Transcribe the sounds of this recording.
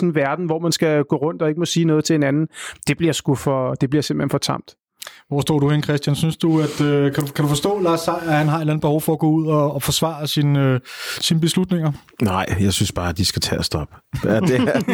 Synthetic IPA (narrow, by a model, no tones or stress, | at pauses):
sɔn̩ʋæɐd̥n̩ʋɒ̰ːmænsɡ̥æɡ̥ɔ̰ːʁɔ̽n̰d̥ɒ̽e̝ɡ̥əmɔ̽siːnɔːð̞̩ˠt͡sʰe̝e̝nænn̩d̥e̝b̥liɐsɡ̥ufɒ̽d̥e̝b̥liɐse̝mb̥lhenfɒ̽t͡sʰɑ̈m̰d̥ | ʋɒ̰ːsd̥ɒ̰ːɾ̥uhenkʰʁɛsd̥jænsynsd̥uæd̥økʰæd̥ukʰæɾufɒ̽sd̥ɔ̰̽ːlɑ̈ːsɑ̈ɪ̰æhænɦɑ̈e̥læn̩be̝hɒʊfɒ̽æɡ̥ɔ̽ːuð̰ˠɒ̽ːfɒ̽sʋɑ̰̈ɐsinøsinəb̥e̝slud̥ne̝ŋɐ | nɑ̈ɪ̰jɑ̈ɪsynsb̥ɑ̈ːæd̥isɡ̥æt͡sʰɛ̰ːæsd̥ɒb̥əɐde